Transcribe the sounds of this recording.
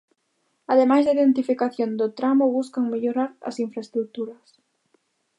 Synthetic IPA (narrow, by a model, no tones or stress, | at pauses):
aðemajzðaiðent̪ifikaθjond̪ot̪ɾamʊβuskaŋmeʎoɾaɾɐ̰siɱfɾaest̪ɾuk̚t̪uɾɐs